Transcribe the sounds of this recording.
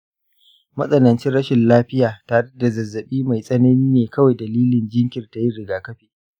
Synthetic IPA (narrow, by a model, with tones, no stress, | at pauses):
mɐ̰˦sʼɐ˦nɐ˨nt͡ʃɪ˦ɽɐ˦ʃɪ˨nlaː˦ɸɪ˦jaː˨taː˨ɽɛ˦da˨zɐ˨zːɐ˨ɓiː˦ma˨jsʼɐ˦nɐ˦niː˦neː˨kɐ˦wa˨jdɐ˨liː˦lɪ˨nd͡ʒɪ˦ŋkʲɪ˨rta˨ji˦ɽɪ˨ɡaː˨kɐ˦ɸiː˨